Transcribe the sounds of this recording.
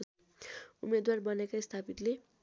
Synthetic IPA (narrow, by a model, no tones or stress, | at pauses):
ṵmed̪warbʌnekaist̪ʰapit̪le